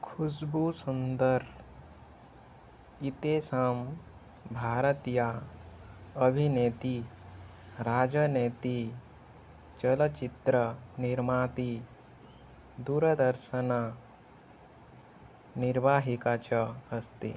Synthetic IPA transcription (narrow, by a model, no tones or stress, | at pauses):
kʰusbusund̪əɾ | it̪eːsɐm | bʱaːɾət̪ja | əbʱineːt̪i | ɾaːd͡ʒɐneːt̪i | t͡ʃɐlət͡ʃit̪ɾəniɾmaːt̪i | d̪uːɾəd̪əɾʃəna | niɾbaːɦikat͡ʃəɐst̪ḛː